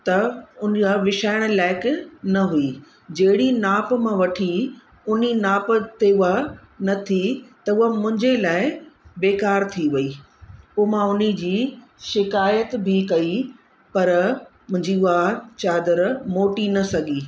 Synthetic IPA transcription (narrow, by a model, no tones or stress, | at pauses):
t̪ɐʊnaʋɪʃaːɪɽ̃laːɪknɐɦui | d͡ʑɐɦɪɽinaːpmãʋɐʈʰi | ʊninaːpt̪eʊa | nɐt̪ʰit̪ɐʊɦamʊ̃ɦɪ̃ɲd͡ʑelaːɪbeːkaːɾt̪ʰiʋɐiː | poːmãʊnid͡ʑiː | ʃɪkaːjət̪bʱikɐi | pɐɾmʊ̃ɦɪ̃ɲd͡ʑiʊɦat͡ɕaːd̪əɾmoːʈinɐsɐɡiː